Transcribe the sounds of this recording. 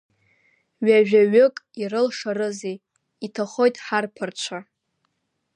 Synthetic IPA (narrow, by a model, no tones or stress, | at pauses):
ɥaʒᶣaɥʏkʼirɨlʂarɨzej | itʰaχo̞jtʼħarpʰɨrt͡ʃʷʰa